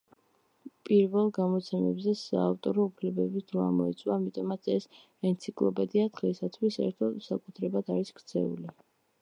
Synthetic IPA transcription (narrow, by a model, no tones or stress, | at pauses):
pʼiɾvɛlˠɡamɔt̪sʰɛmɛ̰bzɛsa̰ːft̪ʼɔɾɔupʰlɛbɛbid̪ʰɾɔa̰mɔɛ̰t̪sʼwaːmit̪ʼɔmat̪sʰɛs | ɛnt̪sʰikʼlˠɔpʼɛd̪iad̪ʁɛsat̪ʰvisɛ̰ɾt̪ʰɔd̪sakʼut̪ʰɾɛbad̪ʰaɾiskɾt̪sʰɛ̰ṵli